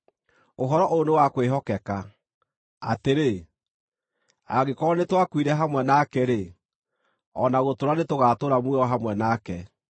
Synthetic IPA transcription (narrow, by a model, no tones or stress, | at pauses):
oɦɔɾɔʔonewakweɦɔkɛka | ateɾe | a̰ɣekɔɔnetwakwiɾɛɦamwɛnakɛɾe | ɔnaɣotoɾanetoɣaːtoɾamweɔɦamwɛnaːkɛ